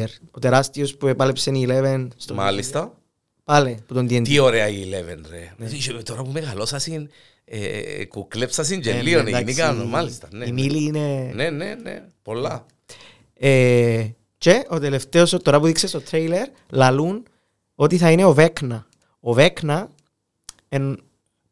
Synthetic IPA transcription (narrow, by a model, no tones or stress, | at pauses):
eɾot̪eɾast̪iospuepɐlepsenilevenst̪oma̰list̪a | paleput̪ond̪ient̪ioɾeaiːlevenɾḛit̪oɾapumeɣalosasin | ḛkuklepsɐs̬ind͡ʒelːioned̪amikanomalist̪ɐneimiliːnenenenḛ | polːa | e | t͡ʃeot̪eleft̪eost̪oɾapuðiksesot̪ɾejleɾ | lɐlun | ot̪iθɐineoveknɐ | oveknɐ | en